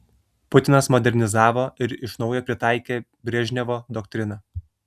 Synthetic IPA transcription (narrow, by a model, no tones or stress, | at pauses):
pʊt̪ʲɪnɐsmɔd̪ʲɛɾʲnʲɪzɑːʋoːɪɾɪʃnɒʊjoːpʲɾʲɪt̪ɑˑɪkʲeːbʲɾʲɛʒʲnʲɛʋoːd̪ɔk̚t̪ʲɾʲɪnɐ